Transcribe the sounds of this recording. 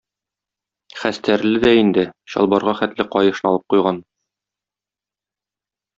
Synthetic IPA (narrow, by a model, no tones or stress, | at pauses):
χæst̪æɾlɘd̪æind̪ɘɕɒ̰lˠbɑɾʁɑχæt̪lɘqɒjɤ̆ʃɤ̆nɑɒlˠɤp̚qujʁɑn